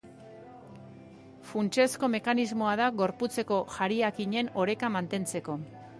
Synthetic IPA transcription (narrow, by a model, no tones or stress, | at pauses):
funt͡ʃe̞sko̞me̞kanizmo̞aðaɣo̞ɾput͡se̞ko̞ʝaɾiakiɲe̞no̞ɾe̞kamant̪e̞nt͡se̞ko̞